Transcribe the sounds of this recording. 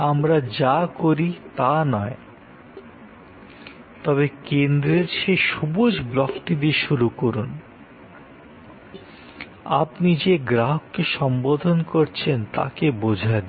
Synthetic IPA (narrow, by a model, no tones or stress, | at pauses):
amɾad͡ʑakoɾit̪anɔe | t̪ɔβekend̪ɾeɾʃeʃubod͡ʑblɔkʈid̪eʃuɾukoɾun | a̰pnid͡ʑeɡɾaɦokːeʃɔmbod̪ʱonkoɾt͡ɕʰent̪a̰kebod͡ʑʱaed̪i